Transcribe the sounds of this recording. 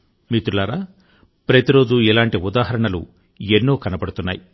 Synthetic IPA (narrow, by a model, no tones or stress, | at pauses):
miːt̪ulaːɾaː | pɾɐt̪iɾo̞ːd͡ʒuɛlaːɳʈiud̪aːɦɐɾɐɳɐlṵ | enːo̞ːkɐnɐpɐɽut̪unːa̰ːji